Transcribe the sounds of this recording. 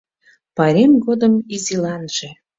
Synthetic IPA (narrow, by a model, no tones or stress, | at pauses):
pɑɾʲemɡod̪əmizilɑnʒ̥e